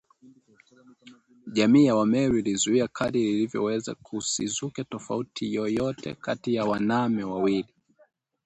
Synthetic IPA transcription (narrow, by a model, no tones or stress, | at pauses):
ʄamiːjawamɛɾilizuiakʰaðililivjɔ̰wɛza̰kʰusizukɛtɔfautʰijɔjɔtɛ̰katijawanamɛwawili